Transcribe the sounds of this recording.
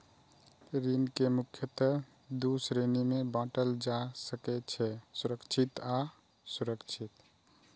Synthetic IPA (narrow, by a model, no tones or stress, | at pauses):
ɾinkemukʰjət̪ə | d̪usɾenimebãʈəld͡ʒasəkɛt͡ʃʰɛsuɾəkt͡ʃʰit̪a | suɾəkt͡ʃʰit̪